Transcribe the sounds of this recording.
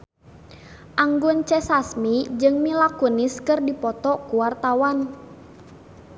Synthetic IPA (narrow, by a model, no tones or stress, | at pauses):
ʔaŋɡʊnt͡ʃɛsasmid͡ʒɨŋmilakunɪskɨrdipɔt̪ɔkuwart̪awan